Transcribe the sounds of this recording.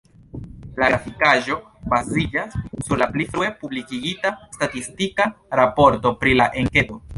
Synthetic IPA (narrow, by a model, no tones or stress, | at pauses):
laɡafikaʒo̞ | bazid͡ʒasːuɾlaplifɾue̞publikiɡitastatistikaɾapo̞ɾto̞pɾilaʔe̞ŋke̞do̞